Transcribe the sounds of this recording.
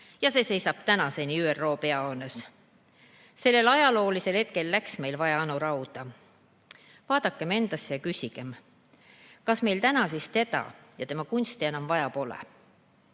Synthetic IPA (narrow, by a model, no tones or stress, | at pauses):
jɑse̞ːse̞jsɑb̥t̪ænɑse̞niyːerːo̞ːpe̞ɑoːnes | se̞lːe̞lɑjɑlo̞ːlise̞lhe̞t̪̚ke̞lːæksme̞jlvɑjɑɑnuɾɑuwd̪̥ɑ | vɑːd̪̥ɑkːˑe̞me̞nd̪̥ɑsjɑkysʲiɡ̥e̞m | kɑsme̞jlt̪ænɑsist̪e̞d̪ɑ̰jɑt̪e̞mɑkunst̪ienɑmvɑjɑpo̞lḛ